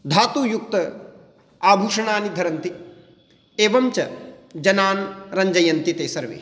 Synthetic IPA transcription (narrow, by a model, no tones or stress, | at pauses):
d̪ʱaːt̪uːjuk̚t̪ɐ | aːbʱuːʂɐɳaːnid̪ʱɐɾɐnt̪i | eːʋɐmt͡ʃɐd͡ʒɐnaːnɾɐɲd͡ʒɐjɐnt̪it̪eːsɐɾʋḛː